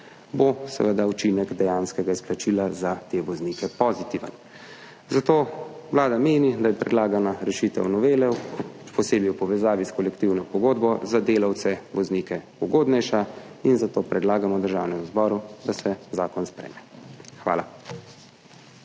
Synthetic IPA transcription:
bosɛ̰ʋəd̪aut͡ʃinɛɡd̪ɛjanskɛɡaisplat͡ʃilazat̪eʋɔzniːkɛpɔzit̪iʋə̰n | zat̪oːʋwlaːd̪ameːnid̪ajɛpɾɛd̪laːɡanaɾɛʃit̪ɛ̰wnɔʋeːlɛpɔseːbjiwpɔʋɛzaːʋiskɔlɛkt̪iwnɔpɔɡoːd̪bɔzad̪eːlawt̪sɛʋɔznikɛpɔɡoːd̪nɛjʃa | inzat̪oːpɾɛd̪laːɡamɔd̪əɾʒawnɛmuzbɔːɾud̪asɛzaːkɔnspɾɛ̰ːmɛxʋa̰ːla̰

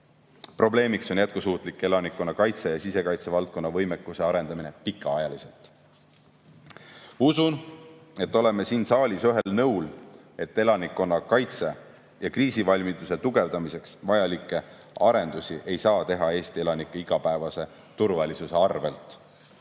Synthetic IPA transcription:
pro̞ble̞ːmikso̞njæt̪̚kusuːt̪ˑlikːˑe̞lɑnikːˑo̞nːɑkɑjt̪sejɑsise̞kɑjt̪se̞vɑlt̪̚ko̞nːɑvɤjmekːˑuse̞ɑɾe̞nd̪ɑmine̞pikːˑɑɑjɑlise̞lt̪ | usune̞t̪ːˑo̞le̞me̞siːnsɑːlʲisyɦe̞lnɤwl | e̞t̪ːe̞lɑnikːˑo̞nːɑkɑjt̪se̞ | jɑkriːsivɑlʲmit̪use̞t̪uɡ̥e̞vd̪ɑmise̞ksvɑjɑlikːˑe̞ | ɑɾe̞nd̪̥usiʔe̞jsɑːt̪e̞ɦɑe̞ːst̪ie̞lɑnikːˑeiɡ̥ɑpæevɑse̞ | t̪urvɑlisuse̞ɑrve̞lt̪ˑ

